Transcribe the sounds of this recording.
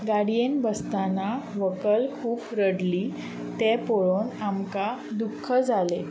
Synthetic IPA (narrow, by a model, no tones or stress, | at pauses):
ɡaɽijenbəst̪anaʋəkəlkʰuːpɾəɽliː | t̪ɛpoɭonamkad̪ukʰːəd͡zʱale